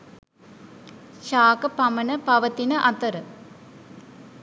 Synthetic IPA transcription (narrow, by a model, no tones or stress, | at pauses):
ʃaːkɐpɐmɐnəpɐʋɐt̪inəʔɐt̪ɐɾə